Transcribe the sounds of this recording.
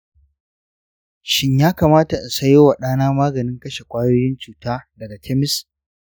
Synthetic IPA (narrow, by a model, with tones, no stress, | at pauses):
ʃɪ˦ɲjaː˦kaː˨maː˦ta˨ʔɪ˨sɐ˦joː˦wa˨ɗaː˦naː˦maː˦ɡɐ˨nɪ˦ŋkɐ˦ʃe˨kʷʼaː˦joː˦jɪ˦nt͡ʃuː˨taː˦dɐ˨ɡa˨tʰɛ˦mɪ˦s